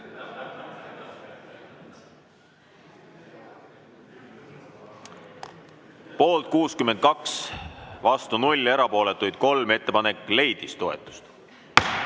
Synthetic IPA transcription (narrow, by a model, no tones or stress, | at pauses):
po̞ːlt̪̚kuːskymend̪̚kɑksvɑst̪unulʲːe̞ɾɑpo̞ːle̞t̪ːujd̪̥ko̞lme̞t̪ːe̞pɑne̞kːle̞jd̪̥ist̪o̞e̞t̪ːˑu̥st̪